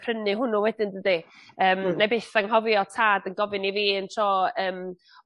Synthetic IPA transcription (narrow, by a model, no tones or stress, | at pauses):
pʰrənɨɦʊnʊwɛdɪndədiəːmnabeːθaŋɦɔvjɔtʰaːdənɡɔvɪniviːəntʰɔːəːm